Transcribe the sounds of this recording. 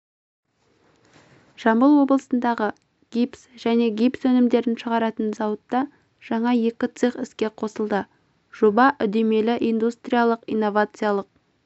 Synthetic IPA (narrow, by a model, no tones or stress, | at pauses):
ʒ̥ɑmbəlˠwo̞blˠəsənd̪ɑʁə | ɡ̥ʲipsʒ̥æne̞ɡʲijpsɵnɪmd̪e̞ɾɪnʃəʁɑɾɑt̪ənzɑwət̪ːɑ | ʒ̥ɑɴɑje̞kʲɪt̪sɨχɪskʲe̞qʰo̞səlˠd̪ə | ʒ̥obɑʔʏd̪e̞me̞lɪʔijnd̪ust̪ɾijalˠəqijnːo̞vat̪sɨjalˠəq̚